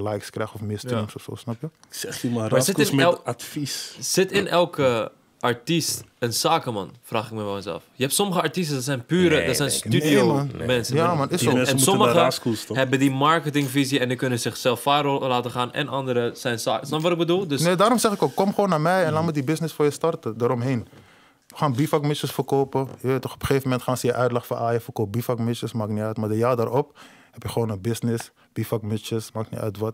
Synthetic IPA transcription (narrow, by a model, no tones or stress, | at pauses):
lajkskrɛjxɔfmɪːsimsoso̰ːsnɑpjə | sɛχəmamasɪtɪmɛlˠatfisz̥ɪtɪnʔɛlˠkə | ʔɑɹtistənsaːkəmɑ̰nfraːχɪk̚mɛʋɛlˠɛsɛ̰lˠfjəɦɛptsɔməχəɑɹtis̬tədɑts̬ɛjnpyːɾədɔtsɛjnstydiomɛnsəjamɑnɪɛsusməəaskusɦɛbədimɑɹkətɪŋviziɛndikɵnənzɪχsɛlˠfaːɾolaːtəχaːnɛ̰nʔɑndəɾəsɛjnsa̰ːksɔfʋɑtɪk̚bədulˠdəsneːdaːɾɔmsɛχɪkokːɔmχəʋoːnːaːmɛjɛnlaːmutdibɪsnɪsfoːɹjəstɑrtədəɾɔmɦen | əχaːnbifakmɪt͡ʃəsfərkoːpəjəʋeːtɔxɔpə̥χeːvəmɛntχaːnsəjəʔœɥtlɑχfəʔaːjəfərkoːp̚bifakmɪt͡ʃəsmaːkniœɥtmadəjaːrdaɾɔp | hɛpjəχəʋoːnəbɪsnɪs | b̥ifakmɪt͡ʃəsmaːknḭʔœ̰ɥtʋɔt